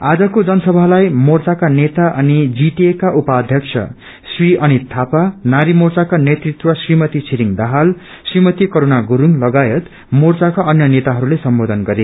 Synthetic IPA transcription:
ad͡zʌkod͡zʌnʌsʌbʱalajmort͡sakanet̪aʔʌnid͡ziʈiekaʔupaːd̪ʱjʌkt͡sʰʌ̰ | sriʌnit̪ʰapanaɾimort͡sakanet̪rit̪wʌsrimʌt̪it͡sʰiɾiŋd̪aɦal | srimʌt̪ikʌɾonaɡuɾuŋlʌɡajʌt̪ | mort͡sakaʔʌnjʌnet̪aɦʌɾulesʌmbod̪ʱʌnɡʌɾe

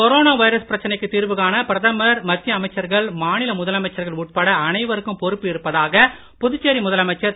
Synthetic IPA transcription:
kɔɾoːnaːʋɐɪɾɐspɪɾɐt͡ʃːɐnɐɪkːɯt̪ːiːɾʋɯɣaːnɐpɪɾɐðɐmɐɾmɐt̪ːjɐɐmɐɪt͡ʃːɐɾɣɐɭmaːnɪlɐmʊðɐlɐmɐɪt͡ʃːɐɾɣɐɭuːʈ̚pɐɽɐːnɐɪʋɐɾɯkːɯmpɔɾɯpːɯɪɾɯpːɐðaːɣɐ | pʊðʊt͡ʃːeːɾimʊðɐlɐmɐɪt͡ʃːɐɾ

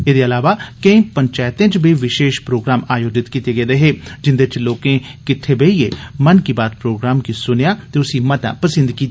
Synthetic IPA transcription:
eːd̪eːəlaːʋaːkəĩːpəɲt͡ʃaːjt̪ẽːt͡ʃbiːʋɪʃeːʃpɾoːɡɾaːmaːjoːd͡ʒɪt̪kiːt̪eːɡəeːɾeɦeːd͡ʒɪnd̪eːt͡ʃloːkẽːkɪt̪ʰːeːbeieːmənkiːbaːd̪̚pɾoːɡɾaːmkisʊnjaːt̪eːʊsiːmət̪ã̰ːpəsɪ̃nd̪kiːt̪ː

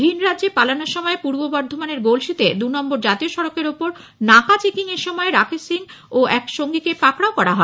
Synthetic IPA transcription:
bʱinɾadːʑepalanoɾʃɔmɔepuɾbobɔɾd̪ʱomaneɾɡolʃit̪ed̪unɔmboɾd͡ʑat̪ioʃɔɾokeɾopoɾ | nakat͡ɕekiŋeɾʃɔmɔeɾakʰesiŋ | oɛkʃoŋɡikepakɽaokɔɾaɦɔe

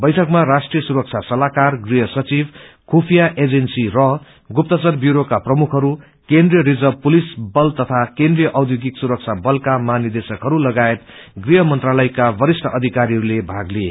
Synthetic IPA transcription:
bʌjʈʰʌkmaɾasʈrijʌsuɾʌk̚t͡sʰasʌlakarɡriɦʌsʌt͡sibkʰupʰijaʔed͡zensirʌ | ɡup̚t̪ʌt͡sʌrbjuɾokaprʌmukʰɦʌɾu | kend̪rijʌɾid͡zʌbpulisbʌlt̪ʌt̪ʰakẽnd̪rijʌʔʌwd̪ʱjoɡiksuɾʌk̚t͡sʰabʌlkamanid̪esʌkɦʌɾulʌɡaet̪ɡriɦʌmʌnt̪ralʌjkabʌɾisʈʰʌʔʌd̪ʱikaɾiɦʌɾulebʱaɡlie

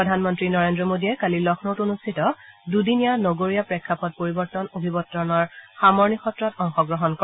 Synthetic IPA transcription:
ɔdʱanmɔntɹinɔɹendɹɔmodiɛkalilɔkʰnowtonustʰitɔdudinijanoɡoɹijapɹɛkʰːapɔt̚poɹibɔɹtɔnobʱibɔtɹɔnɔɹxamɔɹnixɔtɹɔtɔŋxɔɡɹɔɦɔnkɔ

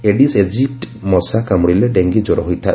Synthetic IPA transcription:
eɖised͡ʒip̚ʈ | mɔsakamɔɽilɛɖeŋɡid͡ʒɔɾɔɦijt̪ʰa

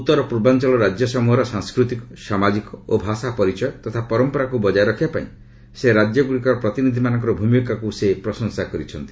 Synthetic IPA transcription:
ut̪ːɔɾɔpɾubant͡ʃɔlɔɾad͡ʒjɔsɔmuɦɔɾɔsaŋskɾut̪ikɔ̥samad͡ʒikɔobʱasapɔɾit͡ʃɔjɔt̪ɔt̪ʰapɔɾɔmpɔɾakubɔd͡ʒaɾɔkʰiapaḭ̃ | seɾad͡ʒjɔɡɾikɔɾɔpɾɔt̪inid̪ʱimanɔŋk̬ɔɾɔbʱumjkakusepɾɔsɔŋsakɔɾit͡ʃʰɔnt̪i̥

